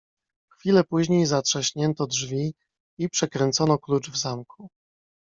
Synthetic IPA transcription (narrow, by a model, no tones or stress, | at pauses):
xfʲilɛpuʑɲejzatʂɛɕɲɛnt̪ɔdʐvʲi | ipʂɛkɾɛnt̪sɔnɔklut͡ʂvzamkʰu